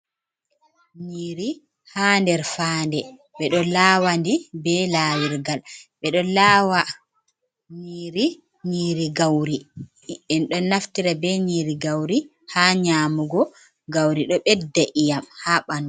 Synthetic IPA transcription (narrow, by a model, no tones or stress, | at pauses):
ɲiɾi | haːndɛɾfaːndɛ | ɓɛɗɔlaːwandibɛlaːwiɾɡalɓɛɗɔlawa | ɲiɾi | ɲiːɾiɡawɾi | ɛnɗɔnaftiɾabɛɲiːɾiɡawɾi | haɲaːmuɡɔ | ɡawɾiɗɔɓɛdːaʔijamhaɓanɔ